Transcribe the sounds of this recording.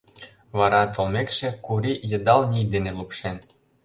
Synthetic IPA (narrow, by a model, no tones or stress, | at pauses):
βɑɾɑt̪olmekʃĕkuɾijɤ̆d̪ɑlnʲijd̪enĕlupʃen